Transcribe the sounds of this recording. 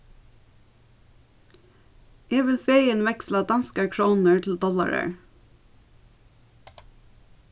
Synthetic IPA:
ʔeːʋɪlfeɪənʋɛkslɑd̪ɑnskəɹkʰɹoːnəɹt̪ʰl̩d̪ɔlɑ̰ɹə̰ɹ

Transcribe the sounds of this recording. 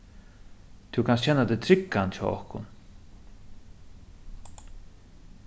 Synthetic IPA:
t̪ʰuwkʰansɕɛnːad̪ɛt̪ʰɾɪkːant̪t͡ɕʰɔ̰ːɔ̰hkʊ̰n

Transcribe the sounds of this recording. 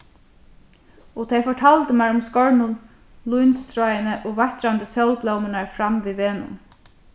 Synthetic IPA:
ɔt̪ʰɛjfɔʈʰaːlt̪əmæɹʊmskɔɹɳʊn | lujnst̪ɾɔjənəʔoːʋaht̪ɾand̪əsœwlplɔwmɪnaɹfɾamʋiːʋeːnʊ̰n

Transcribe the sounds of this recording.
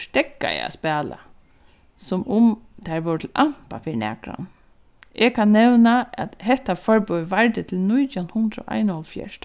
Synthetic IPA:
ʂt̪ɛkːa̰ja̰spɛːla̰ | sʊmʊmt̪ʰaɹʋɔwɹt̪ʰɪlʔam̥pafiːɹnɛ̰ːkɾa̰n | ʔɛkʰanːɛwnaæt̪hɛht̪ːafɔɹpɔjʋaɹt̪ɪt̪ʰɪlnʊjt̪jawnhʊnd̪ɾɔ̰ʔa̰jnɔlfjɛ̰ʂt̪

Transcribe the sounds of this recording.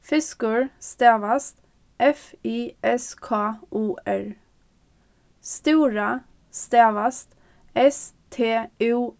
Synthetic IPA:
fɪskʉɹst̪eːʋɑst̪ | ʔɛfiːʔɛskʰɑːʔuːʔæɹ | st̪uːɹə | st̪eːʋɑst̪ | ɛst̪ʰeːʉː

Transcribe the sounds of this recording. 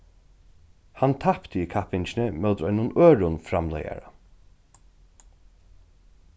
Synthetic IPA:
hant̪ʰapt̪əiːkʰapɪnt͡ʃnəmɛwd̪ɾɔʏnʊnøːɹʊnfɾamlɛ̰ja̰ɹa

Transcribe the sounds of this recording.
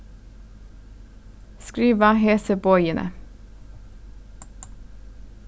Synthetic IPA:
skɾiːʋɑheːsəbɔʏənʔə̰

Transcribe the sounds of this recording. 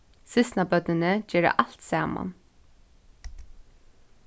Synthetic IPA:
sɪst̪nabœt̪nɪnəd͡ʒɛːɾə̰ʔalt̪saːma̰n

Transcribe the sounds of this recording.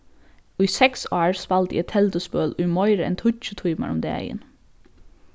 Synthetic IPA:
ʔiːsɛksɑːɹspɑlt̪ḭɛt̪ʰɛld̪əspøːlʔʉːmɔʏɾəɛ̰nt̪ʰʊt͡ʃət̪ʰuːmə̰ɾʊmd̪ḛːæ̰ɪə̰n

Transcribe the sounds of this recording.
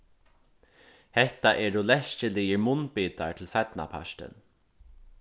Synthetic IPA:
hɛht̪aʔɛːɾʊlɛʃt͡ʃəliːjəɹmʊnpiːt̪aɹt̪ʰɪlsat̪na̰pʰa̰ʃt̪ɪ̰n

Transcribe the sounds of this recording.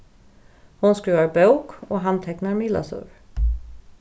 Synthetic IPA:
hʊnskɾiːvaɾbœʊkoːɦant̪ʰɛknaɾmɪla̰sɵ̰ɾ

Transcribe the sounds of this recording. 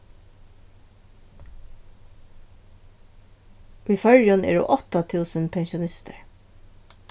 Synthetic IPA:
ʔiːfœɹjɔnʔḛːɹṵːʔɔt̪ɑt̪ʰʉːsənpʰɛnʃʊnɪst̪ʰə̰ɹ

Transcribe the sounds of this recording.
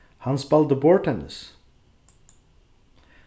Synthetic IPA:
hɑnspɛld̪əbɔɹʈʰɛnə̰s

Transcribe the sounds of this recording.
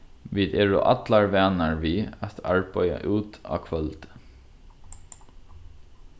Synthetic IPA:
ʋiːd̪eːɹʊ̰ʔa̰t̪laɹʋæːnaɹʋiːat̪a̰ɹpœja̰ʔuːt̪a̰ːkʰʋœlt̪

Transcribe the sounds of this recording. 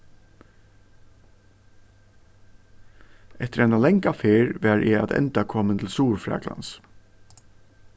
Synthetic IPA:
ɛt̪əɾɛjnalɛŋkafeːɹʋæɾʔɪ̰a̰t̪ɛ̰nt̪akʰɔːmənt̪ʰɪlsuːɹfɹa̰ːkla̰ns

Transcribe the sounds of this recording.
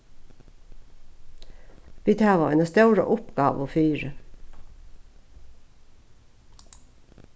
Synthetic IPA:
ʋiːt̪ʰæːʋɑeːnəst̪œʉɾə̰ʔʊpɡɑ̰ːʋoːfyːɾə

